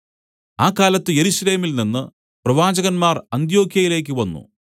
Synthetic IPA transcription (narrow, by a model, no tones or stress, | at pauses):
aːkːaːlɐt̪ːɨje̞ɾuɕɐle̞ːmilninːɨ | prɐʋaːd͡ʑɐɣɐnmaːrɐnd̪jo̞ːkʰjɐjile̞ːk̬ʲːɨʋɐnːṵ